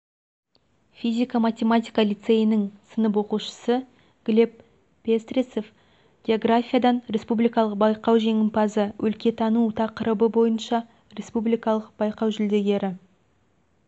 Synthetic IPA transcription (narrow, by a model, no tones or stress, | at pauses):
fʲizʲijkamat̪ʲe̞mat̪ʲijkɑlʲit̪se̞jɪnɪŋsənəp̬wo̞quʃə̥sə | ɡ̥lʲe̞pː | e̞st̪rʲise̞f | ɡ̥ʲeo̞ɡrafʲijad̪ɑnɾʲe̞spublijkɑlˠəq̚bɑjqɑwʒe̞ŋɪmpʰɑzəwʔɵlkʲe̞t̪ʰɑnut̪ʰɑqəɾəbəbo̞jənʃɑ | ɾe̞spublijkɑlˠəq̚b̥ɑjqɑwʒʏld̪e̞ɡʲe̞ɾɪ